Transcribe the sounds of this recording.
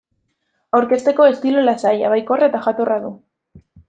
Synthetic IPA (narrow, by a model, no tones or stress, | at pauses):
awɾke̞st̪e̞ko̞e̞st̪ilolasaja̰βajkoraet̪aʝat̪oraðu